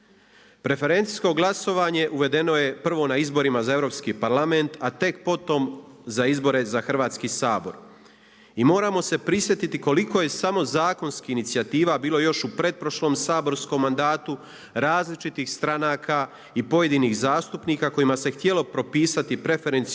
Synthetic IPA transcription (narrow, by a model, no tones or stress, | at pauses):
pɾe̞fe̞ɾe̞nt̪i̥sko̞ɡlˠaso̞ʋaːɲe̞ʔuʋe̞d̪e̞no̞je̞pr̩ʋo̞naizbo̞ɾimazae̞vɾo̞ːpskiːpaɾlˠame̞nt̪at̪e̞kpo̞t̪o̞m | zaizbo̞ɾe̞zaxr̩ʋaːt̪skisaːbo̞̰ɾ | imo̞ːɾaːmo̞se̞pɾisʋje̞t̪it̪iko̞liko̞je̞samo̞zaːko̞nskiinit̪sijat̪iːʋabiːlo̞jo̞ʃupɾe̞d̪̚pɾoʃlomsaːbo̞ɾsko̞mːand̪aːt̪u | ɾaːzlit͡ʃit̪iːxst̪ɾanaːkʰa | ipo̞je̞d̪iːniːxzaːst̪upniːkako̞imase̞xt̪je̞lo̞pɾo̞piːsat̪ipɾe̞fe̞ɾent̪s